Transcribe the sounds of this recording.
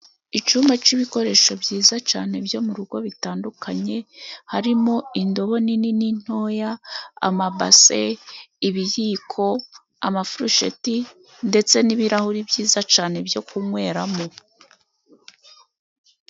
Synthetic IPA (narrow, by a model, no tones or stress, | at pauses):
it͡ʃuːmbat͡ʃiβiko̞ɾeːʃo̞bɟiːzat͡ʃaːne̞bjo̞muɾuɡo̞βitaːndukʰaɲe̞haɾimo̞indo̞βo̞nininin̥ho̞ja̰ːmaba̰seiβijiːkʰo̞ | a̰mafuɾuʃḛti | nde̞t͡se̞niβiɾahuɾibɟiːzat͡ʃaːne̞bjo̞kumŋwe̞ːɾamo̞